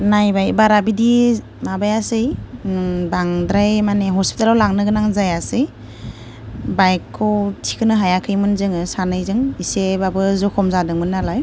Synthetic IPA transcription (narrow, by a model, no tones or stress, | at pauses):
najbajbaɾabidi | mabajasɯj | baŋdɾajmaneɦɔspitalawlaŋnɯɡɯnaŋzajasɯj | bajkʰːɯwtʰi̥kʰɯnɯɦajakʰɯjmɯnzɯŋɯsanɯjzɯŋisebabɯzɔkʰɔmzadɯŋmɯnːalaj